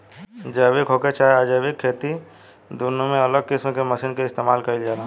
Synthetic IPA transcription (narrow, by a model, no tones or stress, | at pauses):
d͡ʒəːʋɪkɦoːket͡ʃaːaːd͡ʒəːʋɪkʰːeːt̪i | d̪uːnũmẽɐləɡ̚kɪsmkemɐsiːnkeɪst̪eːmaːlkɐild͡ʒaːa